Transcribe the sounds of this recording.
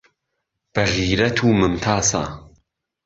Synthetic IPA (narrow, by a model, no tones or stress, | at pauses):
b̥ɐʁiːɾɐt̪ʰuːmɨmt̪ʰaːsa̰ː